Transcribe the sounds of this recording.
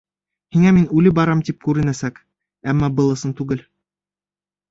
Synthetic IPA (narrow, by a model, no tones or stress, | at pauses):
hiŋæminʉlɘbɑɾɑmt̪ip̚kʉɾɘ̆næsæk | æmːɑbɤ̆lˠɤ̆sɤnt̪ʉɡɘl